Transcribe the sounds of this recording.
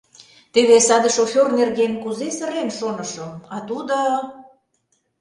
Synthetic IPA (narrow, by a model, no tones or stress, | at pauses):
t̪eβesɑd̪əʃofʲornerɣenkuzesə̆ɾenʃonə̆ʃə̆mɑt̪ud̪o